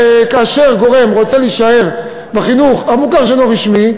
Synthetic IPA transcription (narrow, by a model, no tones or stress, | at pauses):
kaːʃe̞ʁɡo̞ʁe̞mʁo̞t͡seliʃae̞ʁ | beχinuχamukaʁʃeloʁiʃmi